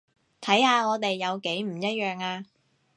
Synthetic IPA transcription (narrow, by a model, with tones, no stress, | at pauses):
t̪ʰɐ˨˥jhaː˧ŋɔː˨˧t̪̬e˨jːɐ˨˧wke˨˥jm̩˨˩jɐ˥t̚jœː˨˩ŋaː˧